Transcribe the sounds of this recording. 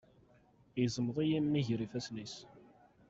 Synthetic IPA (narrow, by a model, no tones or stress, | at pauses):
jzˤəmːəðˤijimːiʝɾifæsnis